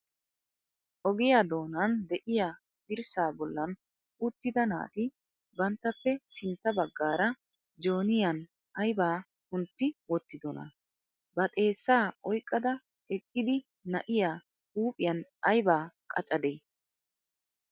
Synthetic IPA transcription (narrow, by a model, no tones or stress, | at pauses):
ʔɔɡɪjaːd̪o̞ːnɐnd̪ɛʔɪjaː | d̪̥ɪɾsaːbɔlːɐn | ʊt̪ːɪd̪ɐna̰ːt̪ɪ | bɐnt̪ːɐpːɛsɪnt̪ːɐbɐɡːaːɾɐ | d͡ʒo̞ːnɪjɐn | ɐjbaː | hʊnt̪ːɪwɔt̪ːɪd̪ɔnɐ̰ | bɐt̪ʼe̞ːsːaːʔɔjkʼːɐd̪ɐ | ɛkʼːɪd̪ɪ | nɐʔɪjaː | uːpʼɪjɐnɐjbaːkʼɐt͡ʃʼɐd̪eː